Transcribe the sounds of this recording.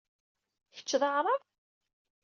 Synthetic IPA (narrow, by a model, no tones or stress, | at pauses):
çə̥t͡ʃːðɑʁɾˤɑð